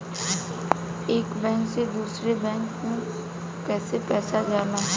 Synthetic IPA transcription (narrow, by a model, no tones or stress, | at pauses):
eːkbɛ̃ːŋksed̪uːsɾebɛ̃ːŋkmẽ | kɛːsepɛːsad͡ʒaːnaɦɛ